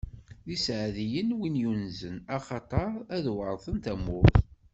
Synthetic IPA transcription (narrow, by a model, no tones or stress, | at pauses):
ðisʕðijənwinjunzənɑχɑt̪ˤɑɾˤæðwəɾˤθˤənt̪æmʊθ